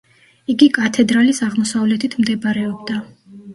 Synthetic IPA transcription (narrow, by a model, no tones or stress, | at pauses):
iɡikʼat̪ʰɛd̪ɾalisaʁmɔsavlɛt̪ʰit̪ʰmd̪ɛbɾɛɔbd̪a